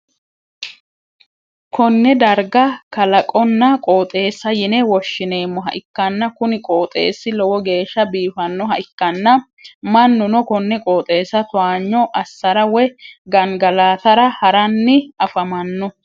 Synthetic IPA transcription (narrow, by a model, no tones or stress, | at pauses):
kʰɔnːɛd̪ɐɾɡɐkɐlɐkʼɔnːɐkʼoːt̪ʼe̞ːsːɐjɪnɛwɔʃːɪneːmːɔɦɐ̰ʔɪkːɐnːɐkʊnɪkʼoːt̪ʼḛːsːɪlɔwɔɡe̞ːʃːɐbiːfɐnːɔɦɐʔɪkːɐnːɐ | mɐnːʊnɔkɔnːɛkʼoːt̪ʼe̞ːsːɐt̪ʊaːɲːɔʔɐsːɐɾɐwɛɡɐŋɡɐlaːt̪ɐɾɐhɐɾɐnːɪɐfɐmɐnːɔ